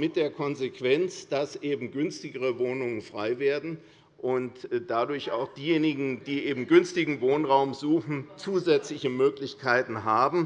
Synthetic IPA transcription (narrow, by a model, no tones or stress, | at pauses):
mɪt̚d̥eːɐkʰɔnzekv̥ɛnt͡sd̥asʔeːbm̩ɡʏnstɪɡəʁəvoːnʊŋənfʁ̥aɪveːɐdn̩ | ʔʊntd̥adʊɐça̰ʊxd̥iːjeːnɪɡŋ̩d̥iːʔeːbm̩ɡʏnstɪɡŋ̩voːnʁaʊmzuːxn̩t͡suːzɛt͡slɪçəmøːklɪçkʰaɪtn̩ɦaːbm̩